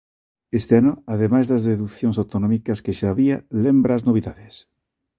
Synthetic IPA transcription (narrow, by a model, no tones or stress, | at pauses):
est̪eanoaðemajzðɐzðeðukθjõŋsawt̪onɔ̃mikɐskeʃaːβialembɾaːznoβ̞iðaðes